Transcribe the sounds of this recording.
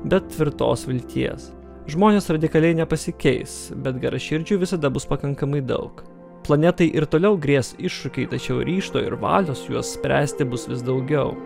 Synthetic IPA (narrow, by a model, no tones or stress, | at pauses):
bʲɛt̪̚t̪ʲʋʲɪɾt̪o̰ːsʋʲɪlʲt̪ʲiɛs | ʒmoːnʲeːsɾɐd̪ʲɪkɐlʲɛɪnʲɛpɐsʲɪkʲɛɪsbʲɛt̪ɡʲɐɾʔɐʃʲɪɾʲd͡ʒʲuːʋʲɪsɐd̪ɐbʊspɐkɐŋkɐmɐɪd̪ɐ̰ʊk | plˠɐnʲɛt̪ɐɪʔɪɾt̪oːlʲɛʊɡɾʲiɛsɪʃːʊkʲɛɪt̪ɐt͡ʃʲɛʊɾʲiːʃt̪o̰ːɪ̰ɾʋɑ̰ːlʲoːsʊjuɔssʲpʲɾʲæːsʲt̪ʲɪbʊsʋʲɪsd̪ɒʊɡʲɛʊ